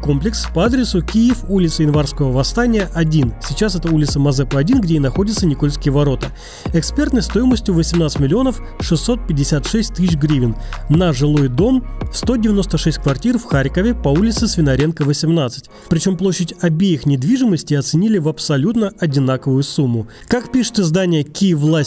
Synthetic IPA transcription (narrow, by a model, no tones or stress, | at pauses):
ko̞mplʲɪkspɐad̪ɾʲɪsʊkʲijɪfulʲɪt̪səɪnvarskəvəvɐst̪anʲɪjəʔɐdʲinsʲɪt͡ɕasɛt̪əulʲɪt̪səmɐzɛpəɐdʲinɡdʲeinɐxo̞dʲɪt̪sənʲɪko̞lʲskʲɪjəvɐɾo̞t̪ə | ɛkspʲe̞rt̪nəjst̪o̞jɪməsʲtʲjʊvəsʲɪmnat̪sɨtʲmʲɪlʲɪo̞nəf | ʂɨsːo̞t̪̚pʲɪdʲːɪsʲat̪ʂɛsʲtʲt̪ːɨsɕɡɾʲivʲɪnːɐʐɨlˠo̞jd̪o̞mfst̪o̞dʲɪvʲɪno̞st̪əʂɛsʲt̚ʲkvɐrtʲirfxaɾʲkəvʲɪpɐulʲɪt̪sɨsvʲɪnɐɾʲe̞nkəvəsʲɪmnat̪sɨ̥tʲ | pɾʲɪt͡ɕo̞mplˠo̞ɕːɪtʲɐbʲejɪxnʲɪd̪vʲiʐɨməsʲtʲɪɐt̪sɨnʲilʲɪvɐpsɐlʲut̪nəʔɐdʲɪnakəvʊjʊsumːʊ | kakpʲiʂɨ̥t̪ɨzd̪anʲɪjəkʲivlˠa